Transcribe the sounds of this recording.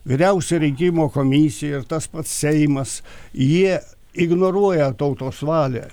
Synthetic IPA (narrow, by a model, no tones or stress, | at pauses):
ʋʲɪɾʲɛʊsʲɛɾʲɛŋʲkʲɪmoːkoːmʲisʲɪjɛɪrt̪ɐspɐt̪ssʲɛɪmɐsjiɛ | ɪɡnoːɾuɔjɛt̪ɐʊt̪oːsʋɑːlʲæ̰ː